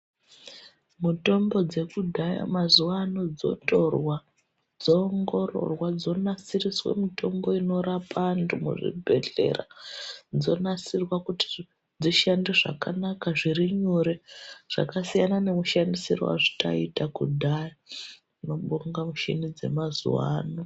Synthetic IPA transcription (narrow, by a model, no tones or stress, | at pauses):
muto̞mbo̞d͡ze̞kudʱaja̰mazuwaːno̞d͡zo̞̰torwa | d͡zoːŋɡo̞ro̞̰rwad͡zo̞nasiriswḛmito̞mbo̞ino̞ɾapʰantumṵʐḭbʱe̞ɮe̞̰ra̰d͡zo̞̰nasirwakuti̥ | d͡ziʃandiʐa̰kanakaʐiriɲuɾeʐ̥a̰kasijanane̞muʃandisirwa̰ʐita̰itakṵdʱaja | ino̞ɓoŋɡamuʃḭnid͡ze̞̰mazṵwa̰ːno